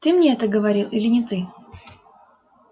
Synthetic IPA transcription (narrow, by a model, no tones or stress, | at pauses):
t̪ɨmnʲeɛt̪əɡəvɐɾʲilˠʔilʲɪnʲɪt̪ɨ